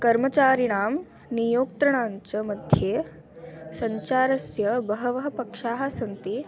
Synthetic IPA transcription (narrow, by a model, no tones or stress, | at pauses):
kɐɾmɐt͡ɕaːɾiɽaːm | nijoːkt̪ɾɐɳ̃aːɲt͡ɕɐmɐd̪ʱjeː | sɐɲt͡ɕaːɾɐsjɐbɐɦɐʋɐɦɐpɐkʂaːɦɐsɐnt̪i